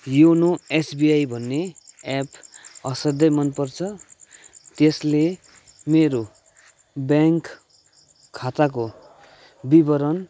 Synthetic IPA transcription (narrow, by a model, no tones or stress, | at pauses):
jonoesbiajbʱʌnːeapʌsʌd̪ʌjmʌnpʌrt͡sʰʌ | t̪esle | meɾo | bjaŋk | kʰːat̪ak̬o | bibʌɾʌn